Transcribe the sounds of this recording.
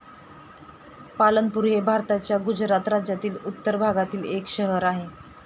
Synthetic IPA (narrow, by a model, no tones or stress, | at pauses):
palənpuɾɦebʱaɾt̪at͡ɕjaɡud͡ʑɾat̪ɾad͡ʑjat̪iːlut̪ːəɾbʱaɡat̪iːlekɕəɦəɾaɦe